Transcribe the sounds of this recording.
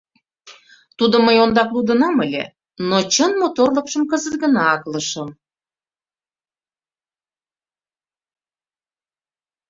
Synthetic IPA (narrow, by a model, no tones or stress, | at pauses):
t̪ud̪ŏməjond̪ɑklud̪ə̆nɑməlʲḛ | not͡ɕənmot̪orləkʃə̆mkəzət̪̚ɡə̆nɑɑkləʃə̆m